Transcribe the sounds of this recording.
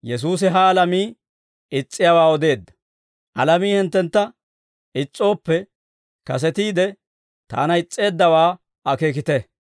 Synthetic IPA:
jɛs̬uːs̬ɪɦɐːlɐmiː | ɪt͡sʼːɪjawaːɔd̪e̞ːd̪ːɐ̥ | ʔɐlɐmiːhɪnt̪ːɛnt̪ːɐ | ɪt͡sʼːo̞ːpːɛ | kɐs̬ɛt̪iːd̪ɛ | t̪a̰ːnɐɪt͡sʼːe̞ːd̪ːɐwaː | ɐkeːk̬ɪt̪ɛ

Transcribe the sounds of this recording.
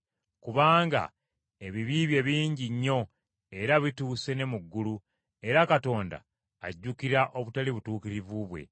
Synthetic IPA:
kuβaːŋɡa̰ | e̞βiβiːβje̞βiːɲɟiɲːo̞ | e̞ɾaβituːse̞ne̞muɡːulu | e̞ɾakato̞ːnda̰ː | ɟːukiɾaʔo̞βutaliβutuːkiɾivuβwe̞̰

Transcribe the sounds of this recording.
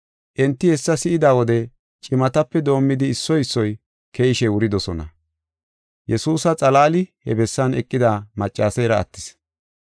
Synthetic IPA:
ʔɛnt̪ːɪhɛsːɐsɪʔɪd̪aːwɔd̪ɛ | t͡ʃʼɪmɐt̪ɐpːɛd̪o̞ːmːɪd̪ɪːsːɔjɪsːɔj | keːɪʃɛwʊɾɪd̪ɔsɔnɐ̰ | jɛsuːsɐt͡sʼɐlaːlɪhɛbɛsːɐnɛkʼːɪd̪aːmɐt͡ʃʼːaːsɛjɾɐ̰ːt̪ːɪ̥s

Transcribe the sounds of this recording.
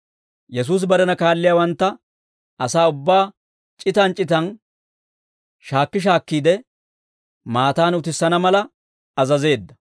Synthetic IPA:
jɛs̬uːs̬bɐɾɛnɐkaːlːɪjaːwɐnt̪ːɐ | ɐsaːʊbːaː | t͡ʃʼɪt̪ɐnt͡ʃʼɪt̪ɐn | ʃaːkːɪʃ̬aːkːiːd̪ɛ | maːt̪aːnʊt̪ɪsːɐnɐmɐlɐ | ɐzɐze̞ːd̪ːɐ̥

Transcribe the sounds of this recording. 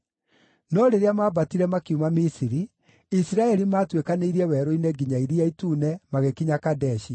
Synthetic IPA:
nɔɾeɾeamaːbatiɾɛmakiumamisiɾi | isiɾaɛɾimaːtwekaneiɾiɛwɛːɾoinɛɡiɲaiɾiaituːnɛmaɣekiɲakadɛʃi

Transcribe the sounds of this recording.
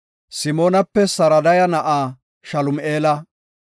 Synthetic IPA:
sɪmo̞ːnɐpːɛsɐɾɐd̪ɐjɐnɐʔaː | ʃɐlʊmʔeːlɐ

